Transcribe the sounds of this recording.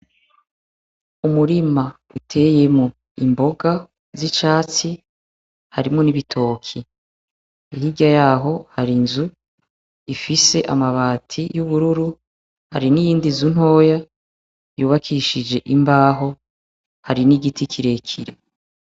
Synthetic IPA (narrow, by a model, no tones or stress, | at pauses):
umuɾima | utʰe̞je̞mŋo | imbo̞ɡa | zit͡ʃaːt͡si | haɾimŋoniβitʰo̞kʰi | ihiɡajaːɦo̞haɾinzu | ifise̞ʔamaβaːtʰijuβuɾuɾu | ha̰ɾinijiːndizun̥ho̞ːja | juːβakʰiʃid͡ʒe̞ʔimbaːɦo̞ | haɾiniɡitʰikʰiɾe̞kʰiɾe